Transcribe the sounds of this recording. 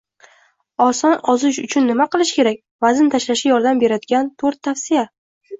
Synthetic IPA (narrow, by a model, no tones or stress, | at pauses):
ɒsɒnɒzɪʃʊt͡ʃʰʊnːɪmaqɨlˠɪʃkʲe̞ɾak̚ʲ | vazɪnt̪ʰaʃlaʃɪjɒɾd̪ambe̞ɾad̪ɪɡʲant̪ʰoɾt̪ʰːafsɪja